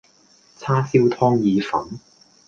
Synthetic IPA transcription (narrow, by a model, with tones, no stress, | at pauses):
t͡sʰaː˥si˥wt̪ʰɔː˥ŋjiː˧fɐ˨˥n